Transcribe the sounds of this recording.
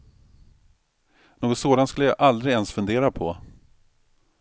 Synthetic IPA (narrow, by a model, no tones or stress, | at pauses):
noːɡɔt̪soːd̪ant̪skɵlːəjaʔald̪ɾɪɡɛnsfɵnd̪eːɾapʰɔ